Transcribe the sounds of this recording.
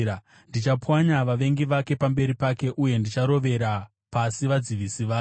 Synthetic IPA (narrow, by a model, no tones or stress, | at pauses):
ndit͡ʃapwaɲaʋaʋe̞ŋɡiʋake̞pambe̞ɾipake̞ʔuje̞ndit͡ʃaɾo̞ʋe̞ɾa | pasiʋad͡ziʋisiʋaː